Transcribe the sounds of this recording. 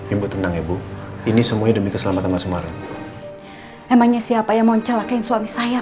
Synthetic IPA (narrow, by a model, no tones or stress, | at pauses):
imbut̪ənaŋebuinisəmuaɲadəmikəsəlamat̪anmansumaɾɪn | memaŋɲasiapajaŋmaɲt͡ʃəlakainsuamisaja